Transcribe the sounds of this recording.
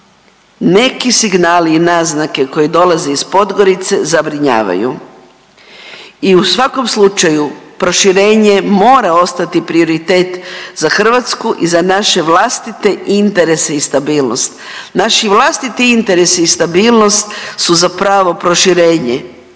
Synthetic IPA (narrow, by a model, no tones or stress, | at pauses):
ne̞kisiɡnaːliːnaznake̞ko̞jid̪o̞lazeispo̞d̪ɡo̞ɾit̪se̞zabɾiɲa̰ːʋa̰jṵ | iusʋako̞mslˠut͡ʃajupɾo̞ʃiɾe̞ːɲe̞mo̞ːɾao̞st̪at̪ipɾio̞ɾit̪e̞ːt̪zaxr̩ʋat̪skuʔizanaʃe̞ʋlast̪it̪e̞ʔint̪e̞ɾe̞seist̪abiːlˠno̞st̪naʃiʋlˠast̪it̪iint̪e̞ɾe̞siːst̪abiːlˠno̞st̪suzapɾaːʋo̞pɾo̞ʃiɾe̞ːɲḛ